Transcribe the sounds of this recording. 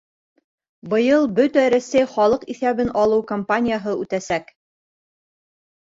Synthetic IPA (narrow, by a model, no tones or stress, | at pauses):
bɤ̆jɤlˠbɵt̪æɾæsæjχɒlˠɤqiθæβɘnʔɑlˠɤwkɐmpanʲɪjaɦɤʉt̪æsæk